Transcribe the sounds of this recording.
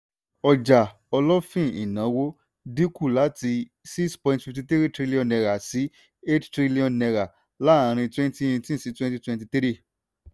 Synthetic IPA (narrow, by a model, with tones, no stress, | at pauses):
ɔ˨d͡ʒa˨ | ɔ˧lɔ˦fĩ˦˨ḭ˨nã˨˦wo˦ | di˦ku˦˨la˨˦ti˧ | si˦kspɔ̃˧ĩntfi˧fti˧t̪i˦ɾi˦tɾi˦li˦ɔ̃˧˨nɛ˧ɾa˨si˨˦ | e˦ttɾi˦li˦ɔ̃˨nnɛ˧ɾa˨ | la˦˨ã˨˧ɾ̃ĩ˧twɛ̃˦n˦ti˦ĩ˧tĩ˦˨si˨˦twɛ̃˦n˦ti˦twɛ̃˧nt̬i˧t̪i˦ɾi˦˨